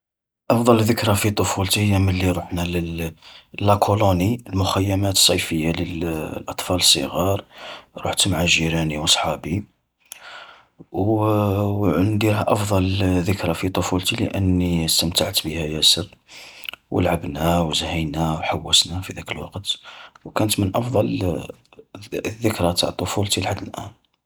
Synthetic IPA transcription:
ʔɑfd̪ˤɑlðəkɾæfit̪ˤofult̪ihəjːæməlːiɾˤuħnælə | lːækʰoloniəlmʊxæjːæmæt̪sˤːɑjfəjːaləlʔɑt̪ˤfɑləsˤːə̰ɣɑɾˤɾˤṵħt̪maʕaʒiɾæniwɑsˤħɑbi | w | ʕənd̪iɦæʔɑfd̪ˤɑlðəkɾɑfit̪ˤofult̪ilə̰ʔənːist̪əmt̪aʕt̪bihæjæsər | wə̰lʕabnæwzhəjnæwħawːəsnæfid̪ækəlwɑ̰qt̪wkænət̪mənʔɑfd̪ˤɑl | ðːəkɾɑt̪aʕt̪ˤːofult̪ilħad̪ːəlʔæ̰n

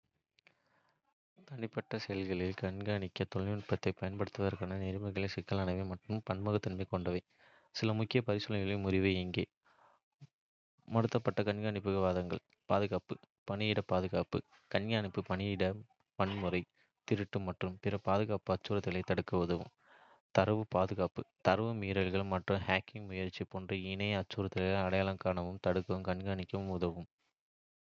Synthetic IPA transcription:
t̪ɐɳɪpːɐʈːɐsɛjɐlɣɐɭɪlkɐɳɡaːɳɪkʲːɐt̪ɔɭɪpːɐt̪ːɐɪpɐjɐnpɐɽɯt̪ːʋɐðɐɾkaːnɐnɛɾɯmɐɪɣɐɭɪsɪkːɐlaːnɐʋeːmɐʈrɯmpɐɳmɐɣɐt̪ːɐɳmɐɪkːɔɳɖɐʋɐɪ | sɪlɐmʊkːɪjɐpɐɾɪsɯlɐɣɪɭɪmʊɾɪʋɐɪɪŋɡeː | mɐɽɯt̪ːɐpːɐʈːɐkɐnɡaːɳɪpːɯɣɐʋaːðɐŋɡɐɭ | paːðɯɣaːpɯ | pɐɳɪjɪɽɐpaːðɯɣaːpɯ̰ | kɐnɡaːɳɪpːɯpɐɳɪɪɽɐ | pɐɳmɯɾɐɪ | t̪ɪɾɯʈːɯmɐʈrɯmpɪɾɐpaːðɯɣaːpɯɐt͡ʃːuːɾɐt̪ːɪlɐɪt̪ɐɽɯkːɐʊðɐʋɯ̰m | t̪ɐɾɐʋɯpaːðɯɣaːpɯt̪ɐɾɐʋɯmiːɾɐlɣɐɭmɐʈrɯmhaːkːɪŋmʊjɐɾt͡ʃːipːoːndrɯɪnɐɪɐt͡ʃːuːɾɐt̪ːɪlɐɐɽɐjaːlɐŋkaːnɐʋɯmt̪ɐɽɯkːɐʋɯmkɐɳɡaːɳɪkʲːɐʋɯmʊðɐʋɯm

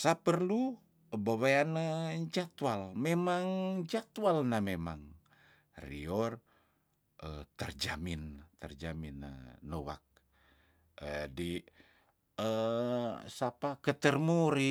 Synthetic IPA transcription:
sapərlu | bawaanəd͡ʒat̪walmemaŋd͡ʒat̪walnamemaŋ | rḭɔr | ət̪ərd͡ʒa̰mint̪ərd͡ʒaminə̰ːowa̰k̚ | ədi | ə | sapakət̪ərmuɾi

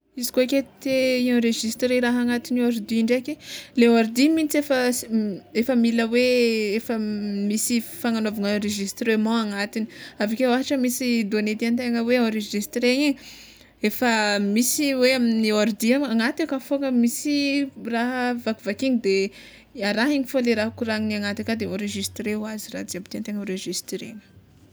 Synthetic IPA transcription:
izi̥koekʲet̪eiãɾeʒist̪reɾaɦaŋat̪iniaɾd̪iɳɖ͡ʐekʲeleaɾd̪imint͡sefə | efəmiləweefəmisifaŋanovaŋãɾeʒist̪remãaŋat̪ini̥avikeaɦaʈ͡ʂəmisid̪oanet̪iant̪eŋəweãɾeʒist̪reɲi | efəmisiweaminioɾd̪iaaŋat̪ekafoŋəmisiraɦəvakivakiɲid̪e | aɾaɦiɲifoleɾaɦukuɾaŋniaŋat̪akad̪eɔ̃ɾeʒist̪ɾewaziɾa̰d͡ziabit̪iant̪eŋɔɾeʒist̪ɾḛŋə̥

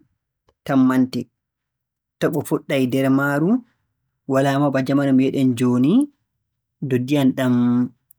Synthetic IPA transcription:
tamːantɛ | tɔɓɔfɔɗːajdɛɾmaːɾu | walaːmabad͡ʒamanɔmɛɗɛnd͡ʒoːni | dodːijanɗam

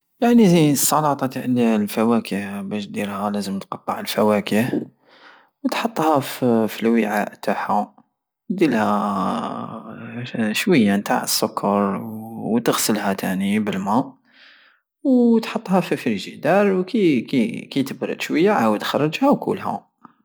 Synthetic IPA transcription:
jaʕnizisˤːɑlɑt̪ˤɑt̪ʕnilfæwækəhbæʃd̪iɾhælæzəmt̪qɑb̪ˤːɑʕəlfæwækəh | wt̪ħɑt̪ˤːhæffilwiʕaʔt̪aħæ | d̪ilhæ | ʃwəjːant̪a̰ʕəsːʊkʰːɑɾˤwt̪əɣsəlhæt̪ʰænibəlmæ | wt̪ħɑt̪ˤːhɑfifɾiʒid̪ɑɾˤwkikikit̪əbɾə̰d̪ʃwəjːaʕawəd̪xɑrˤːɑd͡ʒhæwkṵlhæ̰

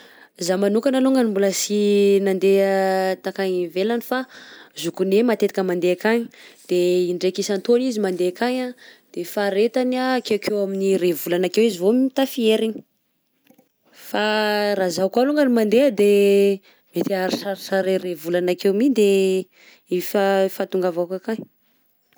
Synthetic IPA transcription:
zamanukanaluŋɡanimbuləsinand̪eət̪akaɲivelanifazukunemat̪et̪i̥kəmand̪eakaɲi̥d̪̥eiɳɖ͡ʐekisant̪onizimand̪eakaɲad̪̥efaɾet̪anakewkʰewaminirevulanakewizivomit̪afieɾiɲi̥ | farazakaluŋɡənimand̪eəd̪e | met̪iaɾisaɾisaɾerevulanakewmid̪e | ifafat̪uŋɡavakakaɲ

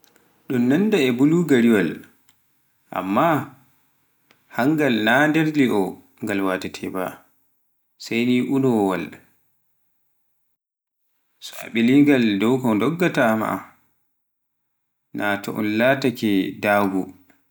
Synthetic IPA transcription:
ɗunːandaɛbuluɡaɾiwal | ʔa̰mːa | haŋɡalnadeɾliʔɔ | ŋɡalwaːtɛtʰɛba̰ | sajniʔunɔwal | sɔa̰ɓiliŋɡaldɔwkɔdɔɡːatama̰ʔa̰ | naːtɔ̰ʔɔ̰nlaːtakɛdaːɡu

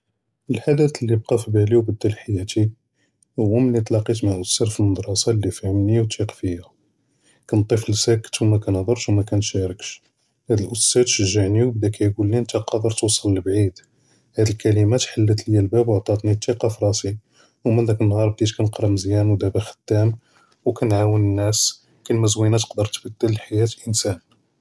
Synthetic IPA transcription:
əlħad̪æt̪lːib̚qɑfibæliwbəd̪ːælħajæt̪i | həwæmlːit̪ˤlɑqit̪maʔʊst̪æɾfəlməd̪ɾˤɑsɑlːifihəmniwt̪iqfijæ | kænt̪ˤːiflsækə̥t̪wmækænhd̪ˤəɾˤʃwmækænʃæɾəkʃ | hæd̪əlʔʊst̪æd̪ʃəʒːəʕniwbd̪ækʰæjɡulːiənt̪æqɑd̪əɾˤt̪wsˤələlbʕid̪ | hæd̪əlkælimæt̪ħalːət̪ljːælbæbwoʕt̪ˤɑt̪nit̪ːiqɑfɾˤɑsi | wmənd̪ækənːhɑɾˤb̚d̪it̪kænqɾˤɑmzjænwd̪æbæxə̥t̪ːæm | wkænʕawənənːæs | kælmæzwinæt̪ə̥qd̪əɾˤt̪bəd̪ːələlħajæt̪əlʔənsæn

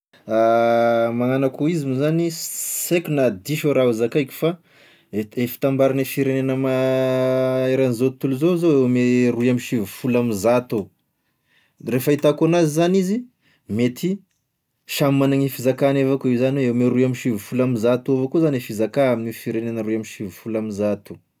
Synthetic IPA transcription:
a | maŋanakuizimuzanisekʲunad̪iʃoɾauzakajkʲu̥fa | efi̥t̪ambaɾanifiɾenenəma | eɾanizot̪uluzozoewmeɾuiamiʃivufulamizat̪o | refait̪akanazizanizi | met̪ʰi | ʃammanaŋifizakanevakuizaniweemeɾuiaminʃivufulamizat̪uavokuzanefizakaaminifiɾenenəɾuiaminʃivufulamizat̪u̥

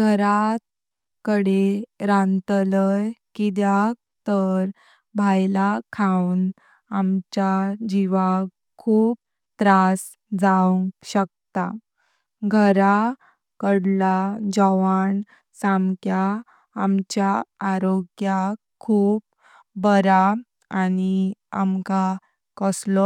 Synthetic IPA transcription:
ɡʱəɾat̪̚ | kəɽeɾãnt̪ləjkid̪jakt̪əɾ | bʱajlakʰawn | amt͡ɕad͡ʑiʋa | kʰuːp̚ | t̪ɾas | d͡zauŋɡɕək̚t̪a | ɡʱəɾa | kəɽlad͡ʑəʋaɳ | samkjaː | mt͡ɕjaaɾoɡjakʰuːp̚ | bəɾa | ania̰mka | kəslɔ

